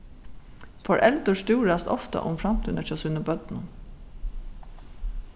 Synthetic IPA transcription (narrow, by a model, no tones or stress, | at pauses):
fɔɹʔɛld̪əʂtuːɹɑst̪ɔft̪ə̰ʔʊmfɹɑmt̪ʰyːnəçɔsʉːnəbœd̪n